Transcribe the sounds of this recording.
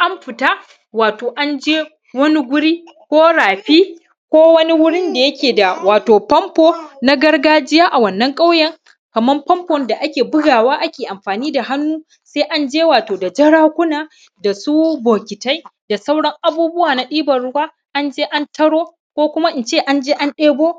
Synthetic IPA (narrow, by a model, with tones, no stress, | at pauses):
ʔa˦mɸɪ˨ta˦ | waː˨toː˨ʔa˦nd͡ʒeː˦ | wɐ˦ni˦ɡʷʊ˦ɽiː˦ | kʷoː˦ɽaː˨ɸiː˦ | kʷoː˦wɐ˦ni˦wʊ˦ɽɪ˦nda˨jɐ˦kʲeː˨da˨waː˨toː˨pɐ˦mpoː˦na˦ɡɐ˦rɡaː˦d͡ʒɪ˦jaː˦ʔa˨wɐ˨nːɐ˦ŋkʼa˦wjɐ˨ŋ | kɐ˨mɐ˦mpɐ˦mpɔ˨nda˨ʔa˦kʲeː˨bʊ˦ɡaː˨waː˦ʔa˦kʲeː˨ʔa˨mɸaː˨niː˦da˨ha˦nːuː˦ | se˦ʔa˦nd͡ʒeː˦waː˨toː˨da˨d͡ʒɐ˦ɽaː˦kʷʊ˦naː˨ | da˨su˦boː˨kʲɪ˨ta˦jda˨sɐ˦wɽɐ˦ŋʔa˦buː˦bʊ˦waː˨na˨ɗiː˦bɐ˨rɽʊ˦waː˦ | ʔa˦nd͡ʒeː˦ʔa˦ntʰɐ˦ɽoː˦ | kʷoː˦kʷʊ˦ma˦ʔɪ˨nt͡ʃeː˦˨ʔa˦nd͡ʒeː˦ʔa˦nɗeː˦boː˦